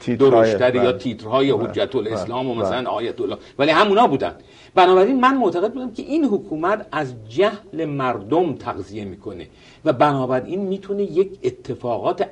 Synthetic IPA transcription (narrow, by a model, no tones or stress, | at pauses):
d̪oɾoʃt̪æd̪ejɒːt̪ʰiːt̪ɾhɒːjehod͡ʒːæt̪ʰoleslɒːmomæsælænɒːjæt̪ʰolːɒːvælihæmunɒːbuːd̪æ̰nd̪̥ | bænɒːbæɾiːnmænmoʔt̪ʰæɣe̞d̪̚buːd̪æmcʰe̞̰ʔiːnɦokʰuːmæt̪ʰæzd͡ʒæhle̞mæɾd̪omt̪ʰæɣzije̞miːkʰo̞ne̞̰ | væbænɒːbæɾʔiːnmiːt̪ʰunejecʰet̪ʰːe̞fɒːɣɒːt̪ʰe